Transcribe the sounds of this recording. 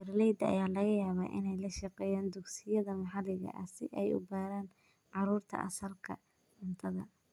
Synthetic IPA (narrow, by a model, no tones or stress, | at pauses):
bɛrlɛjd̪ɐɐ̰jaːlɐɣɐjaːβaːʔɪ̰nɛjlɐʃɑqɛːjaːnd̪ʊɡsɪjɐðɐmɑħɑlɪɣɐ̰ʔɐ̰sɪʔɛjʊ̰baːɾaːn | ʕɑɾuːrt̪ʰɐ̰ʔɐ̰sɐlkʰɐ̰ | ɪnt̪ʰɐðɐ̰